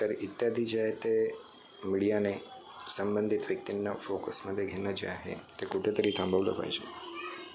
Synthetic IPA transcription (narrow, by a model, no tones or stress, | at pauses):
ʈ̪əɾit̪jad̪ʱid͡ʑeet̪e | miɽijane | səmbənd̪ʱit̪ʋjək̚t̪inːafokəsməd̪ʱːjeɡʱenəd͡ʑḛaɦḛt̪ekuʈʰet̪əɾiːt̪ʰãmbʱəʋlə̰pa̰ɦid͡ʑe